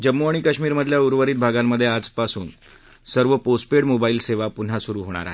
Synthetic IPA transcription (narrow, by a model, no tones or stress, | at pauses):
d͡ʑəmːuaɽ̃ikəɕmiːɾməd̪ʱljauɾʋəɾiːt̪̚bʱaɡamːəd̪ʱːjead͡zpasṵːn | səɾʋəposʈpeɽmobaiːlseʋapun̤asuɾuːɦoɽ̃a̰ɾa̰ɦe